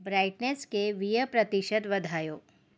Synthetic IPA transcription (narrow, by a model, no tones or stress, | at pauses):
bɾaːɪʈneːskeʋijəpɾɐt̪iʃəd̪ʋɐd̪ʱaːjoː